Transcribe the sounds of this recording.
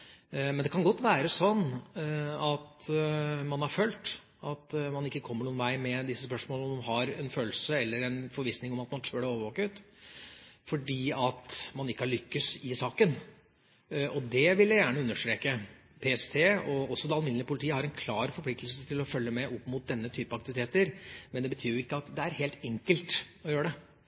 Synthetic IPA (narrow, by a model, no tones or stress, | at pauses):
mɛnd̪ɛkʰɑnɡɔt̪ːʋæːɾəsɔnː | ɑt̪ | mɑnhɑɾføːlt̪ | ʔɑt̪mɑnɪkːəkʰɔmːəɳuːnʋæɪmɛd̪ɪsːəspœʂmoːləɔmnɦɑɾɛnføːlsəɛlːəɾɛnfɔɾʋiːsnɪŋɔmɑt̪mɑnt̪ʰøːɖəoːʋəʋoːkət̪ | fɔɖiːɑt̪mɑnɪkːəhɑɭʏkːəsɪsɑːkən | ɔd̪ɛʋɪljæɪjæːɳəʉnːəʂʈ̪ɾeːkə | pʰeːɛst̪ʰeːɔɔsːɔd̪ɛɑlmɪnənəpʊlɪt̪ʰiːəhɑɾɛnkʰlɑːɾfɔɾpʰlɪk̚t̪əl̩sət̪ʰɪlɔfœlːəmɛʔɔpːmʊt̪̚d̪ɛnːət̪ʰyːpəɑkt̪ɪʋɪt̪ʰeːt̪əɾmɛnd̪ɛbət̪ʰyːɾjʊɪkːəɑt̪d̪ɛæɾheːlt̪ɛŋkəlt̪ɔjøːɾəɖ̪ɛ